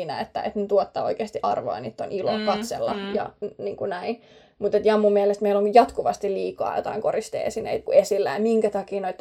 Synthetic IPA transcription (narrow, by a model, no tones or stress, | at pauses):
næ̰et̪ːæ̰ʔḛt̪nyt̪uot̪ːɑoikeːst̪iʔɑ̰rʋo̰jɑnit̪ːonilo̰kɑt̪selːɑ̰jɑ̰niːŋkunæin | mut̪et̪jɑmːumːielest̪meiloŋjɑt̪kuʋɑst̪illiːkɑ̰ːjo̰t̪ɑiŋkorist̪ḛːsinḛit̪kuesilːæjɑmiŋkæt̪ɑkiːnoit̪ː